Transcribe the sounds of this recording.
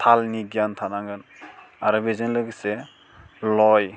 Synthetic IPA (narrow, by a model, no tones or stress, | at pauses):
tʰalniɡjantʰanaŋɡɯn | aɾɔbezɯnlɯɡse | lɔj